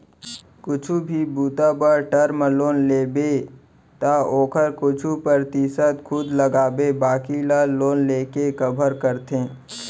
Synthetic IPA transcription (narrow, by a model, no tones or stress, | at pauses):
kʊt͡ʃʰubʱibuːt̪abəɾʈəɾmloːnleːbe | t̪aoːkʰəɾkʊt͡ʃʰupəɾt̪isət̪kʰʊd̪ləɡaːbebaːkilaloːnleːkekəbʱəɾkəɾt̪ẽː